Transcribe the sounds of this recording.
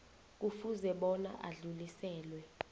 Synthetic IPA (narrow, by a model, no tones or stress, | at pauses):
k̬ufuzɛɓɔna̰ʔaɮulisɛːlwɛ